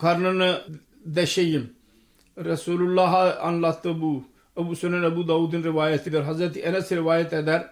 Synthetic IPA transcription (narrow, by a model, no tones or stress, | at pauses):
kʰɐɾnɐn | d̪ɐʃejim | ɾɐsuːlulːaːɦɐ̰nlɐt̪ɐbu | ɐbusʊnɐnɐbud̪aːuːd̪inɾɪʋaːjɐt̪id̪ɐɾɦɐzɾɐt̪iʔɐnɐsiɾɪʋaːjɐt̪ed̪ɐɾ